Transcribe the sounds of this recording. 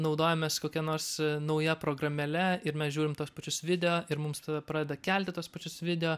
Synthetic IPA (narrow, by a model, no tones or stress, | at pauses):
nɒʊd̪oːjɛmʲeːskoːkʲɛnoːɾsnɐʊjɛpɾoːɡrɐmʲɛlʲɛɪɾmʲɛsʒʲuːɾʲɪmt̪uɔspɐt͡ʃʲʊsʋʲɪd̪ʲɛoːʔɪɾmʊmst̪ɐɐpɾɑːdʲɛd̪ɐkʲɛlʲt̪ʲɪt̪uɔspɐt͡ʃʲʊsʋʲɪd̪ʲɛjoː